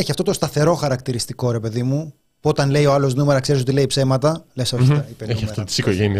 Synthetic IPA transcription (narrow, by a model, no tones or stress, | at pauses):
eçiɐft̪o̞t̪o̞st̪ɐθe̞ɾo̞xɐɾɐkt̪iɾist̪iko̞ɾe̞pe̞ðimu | puo̞t̪ɐnle̞io̞ɐlo̞znumeɾɐkseis̬ot̪ileipse̞mɐt̪ɐlesoiɐipeeɐfft̪ot̪i̥sikoʝeni